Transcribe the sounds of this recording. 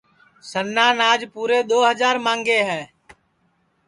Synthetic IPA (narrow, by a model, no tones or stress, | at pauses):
sənːaːnaːd͡ʒpuːɾeːɗ̪oːɦəd͡ʒaːɾmãːŋɡeːɦɛː